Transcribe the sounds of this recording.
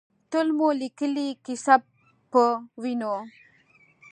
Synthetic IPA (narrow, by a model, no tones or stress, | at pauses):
t̪ʊlmũlikəlikisab | pːəwino